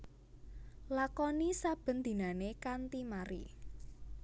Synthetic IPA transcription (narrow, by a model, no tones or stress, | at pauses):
lakɔnisab̥ə̤nd̪̥i̤nanekant̪imaɾḭ